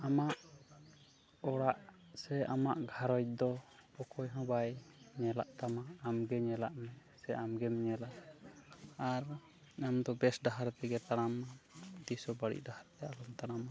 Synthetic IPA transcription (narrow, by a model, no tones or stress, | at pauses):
amaʔ | ɔɽaʔsɛamaʔɡʱaɾɔj̚d̪ɔɔkʰɔjɦɔ̃bajɲɛlaʔt̪amaːmɡɛɲɛlaʔmɛ | sɛʔamɡɛmɲɛlaʔ | aɾ | amd̪ɔbɛsɖaɦaɾt̪ɛɡɛt̪aɽ̃amad̪isɔbaɽḭʔ̚dahaɾt̪ɛalɔmt̪aɽ̃ama